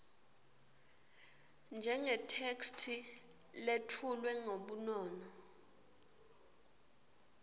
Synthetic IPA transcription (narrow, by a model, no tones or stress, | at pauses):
nd͡ʒʱɛŋɛtʰekstʰi | letʰulwɛŋoɓunɔːnɔ